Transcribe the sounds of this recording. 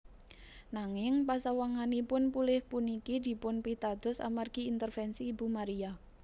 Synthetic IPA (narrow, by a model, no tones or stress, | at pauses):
naŋɪŋpasawaŋanipʊnpulɪhpunikid̪i̤pʊnpit̪ad̪̥ɔ̤sa̰marɡ̥iːnt̪ərfɛnsiːbṳmaɾia